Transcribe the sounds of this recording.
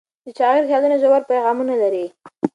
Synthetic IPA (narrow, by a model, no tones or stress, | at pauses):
d̪̥ət͡ʃɑɣeɾhjɑd̪unoʒawaɾ̚pajɣɑmunalaɾi